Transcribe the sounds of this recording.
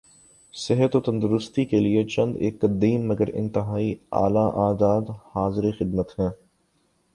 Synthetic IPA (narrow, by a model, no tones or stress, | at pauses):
sɪɦət̪ot̪ɐ̃nd̪ʊɾʊst̪ikeliet͡ʃɐ̃nd̪ḛːkːɐd̪iːmːɐɡəɾɪ̰̃nt̪ɪɦaːia̰ːlaʔaːzaːd̪haːzɪɾexɪd̪mət̪hɛ̃ː